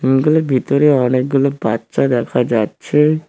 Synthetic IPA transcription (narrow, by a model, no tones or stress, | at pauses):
ɡuloɾbʱit̪oɾeɔnek̚ɡulobatːʃad̪ɛkʰad͡ʑatːɕʰe